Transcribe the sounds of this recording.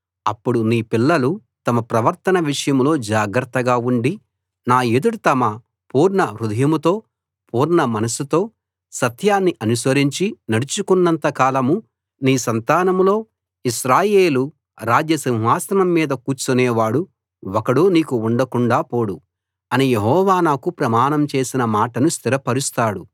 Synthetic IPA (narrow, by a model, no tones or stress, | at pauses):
ɐpːuɽuniːpilːɐlut̪ɐmɐpɾɐʋɐɾt̪ɐnɐʋiʂɐjɐmlo̞ːd͡ʒaːɡɾɐt̪ːɐɡaːuɳɖi | naːed̪uɽut̪ɐmɐ | puːɾnɐɾud̪ɐjɐmut̪o̞ː | pʰuːɾnɐmɐnɐsut̪o̞ː | sɐt̪ʰjaːnːiʔɐnusʋɐɾiɲt͡ʃinɐɽut͡ʃukunːɐnt̪ɐkaːlɐmu | niːsɐnt̪aːnɐmlo̞ː | iʃɾaːje̞ːlu | ɾaːd͡ʒjɐsĩŋɦaːsɐnɐmːiːd̪ɐkuːt͡ʃuneːʋaːɽu | ɔkɐɽuːniːkuːɳɖɐkuɳɖaːpo̞ːɽu | ɐnijeɦɔːʋaːnaːkupɾɐmaːɳɐmt͡ʃe̞ːsinɐmaːʈɐnust̪iɾɐpɐɾust̪aːɽu